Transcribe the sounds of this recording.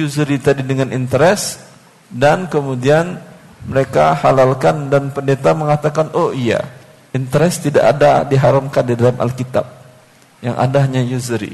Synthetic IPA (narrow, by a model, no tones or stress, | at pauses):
juzɾit̪adidəŋanint̪əɾɛs | dankəmudian | məɾekahalalkandanpəndet̪aməŋat̪akanʔoia̰ | int̪əɾɛst̪ida̰ʔa̰dadiɦaɾamkandidalamʔa̰lkit̪a̰p̚ | ja̰ŋʔa̰daɲajuzɾḭ